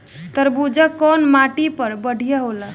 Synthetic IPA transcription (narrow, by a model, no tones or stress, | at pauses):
t̪əɾbud͡ʒəkːɔnmaʈipəɾbəɽ̤ʱijaɦola